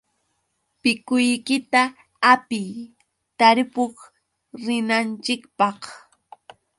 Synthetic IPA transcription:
pɪkʊjkɪt̪a | apɪj | t̪aɾɪpʊχ | ɾɪnant͡ʃɪkpɑχ

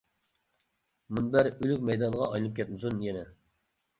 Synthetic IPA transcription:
munbæɾylykʲmɛjd̪ɑnʁɑʔɑjlˠɨp̚kʲʰɛt̪̚mɨsunjɛnɛ

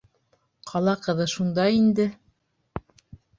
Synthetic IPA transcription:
qʰɑlˠɑqɤ̆ðɤʃund̪ɑind̪ɘ

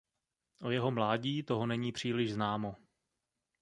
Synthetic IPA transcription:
ʔo̞jɛɦo̞mlaːɟiːt̪o̞ɦo̞nɛɲiːpr̝̥iːlɪʒznaːmo̞

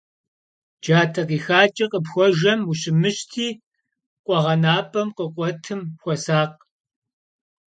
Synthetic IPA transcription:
d͡ʒaːtʰɐqiːxaːt͡ʃʼɐqʼəpxʷɔʒɐmuɕɪmɨɕtʰiː | qʷʼɔʁɐnaːpʼɐmqəqʷʼɔtʰɨmxʷɔsaːq̚

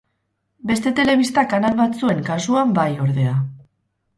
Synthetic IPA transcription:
be̞st̪e̞t̪e̞le̞β̞ist̪akanalβat͡sue̞ŋkasuambajo̞ɾðe̞a

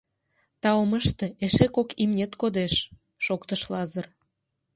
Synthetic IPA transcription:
t̪ɑoməʃt̪ĕeʃekokimnʲet̪kod̪eʃ | ʃokt̪əʃlɑzər

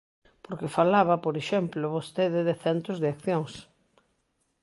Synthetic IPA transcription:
poɾkɪfalaβɐpoɾeʃɛmploβost̪eðɪðeθɛnt̪ɾʊzðeakθjoŋs

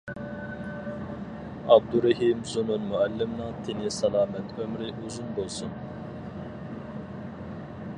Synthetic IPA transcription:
ɑb̚d̪uɾɛɦimzununmuælːɪmnɑt̪ʰinisɑlˠɑːmɛt̪ʰømɾɪʔuzunbolˠsun

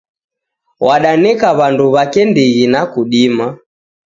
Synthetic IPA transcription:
wʔaɗanɛkaβanduβakɛndiɣinakuɗima

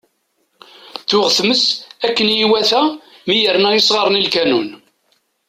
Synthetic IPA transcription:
θʊʁθməsækːənjiwæθæmijəɾnæjisˤʁəɾˤnilkænun

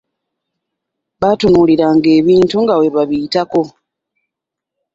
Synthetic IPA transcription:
βatunuːliɾaŋɡe̞ːβiːntuŋɡawe̞βaβiːtako̞

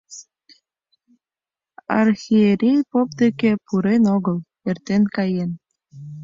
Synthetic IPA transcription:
ɑ̰rxieɾʲijpop̚d̪ekepuɾenoɣə̆l | ert̪enkɑjen

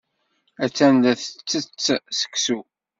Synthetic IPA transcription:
æt͡sːænd̪æθət͡sːət͡sːsə̥ksu

